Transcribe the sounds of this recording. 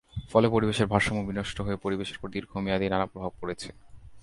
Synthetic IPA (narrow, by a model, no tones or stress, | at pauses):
fɔlepoɾibeʃeɾbʱaɾʃomobinoʃʈoɦoepoɾibeʃeɾpɾot̪iɾɡʱomiad̪inanapɾobʱab̚koɾet͡ɕʰe